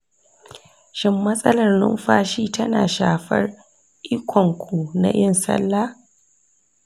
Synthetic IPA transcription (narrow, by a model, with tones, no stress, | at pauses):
ʃɪ˦mːɐ˦sʼɐ˦lɐ˨rnʊ̰˦mɸaː˦ʃiː˦tɐ˦na̰ː˨ʃaː˨ɸɐ˦r | ʔi˦kʷɔ˨ŋkʷʰu˨na̰˨ʔɪ˦nsɐ̰˦lːa˦